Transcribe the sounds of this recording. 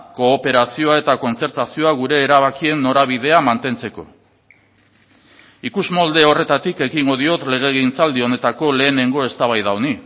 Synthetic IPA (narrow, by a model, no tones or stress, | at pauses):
ko̞ːpe̞ɾasio̞aet̪ako̞nt͡se̞ɾt̪asio̞aɣuɾe̞ːɾaβ̞akie̞nːo̞ɾaβ̞iðe̞amant̪e̞nt͡se̞ko̞̰ | ikuzmo̞ld̪e̞o̞re̞t̪at̪ike̞ɣiŋɡo̞ðio̞t̪le̞ɣ̞e̞ɣint͡sald̪io̞ne̞t̪ako̞le̞ːne̞ŋɡo̞e̞st̪aβajðaoni